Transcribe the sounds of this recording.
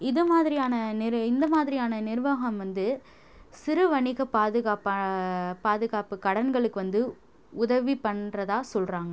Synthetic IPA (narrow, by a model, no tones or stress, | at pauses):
ɪðɯmaːðɪɾɪjaːnɐnɪɾɪnd̪ɐmaːðɪɾɪjaːnɐnɪɾɯʋaːɣɐmʋɐnd̪ɯ | sɪɾɯʋɐɳɪɣɐpaːðɯɣaːp | paːðɯɣaːpɯkɐɽɐnɡɐɭɯkːɯʋɐnd̪ɯ | ʊðɐʋipɐɳrɐðaːsɔlraːŋɡɐ